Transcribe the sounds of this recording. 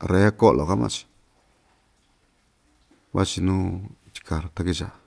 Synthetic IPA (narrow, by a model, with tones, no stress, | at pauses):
re˨˦ko˦ʔlo˨ka˦mã̰˧t͡ʃi̥˧ | βa̰˦t͡ʃi˧nũː˦t͡ʃ̪i̥˧kʰa˨ɾt̪a˦ki˧ʃa̰˨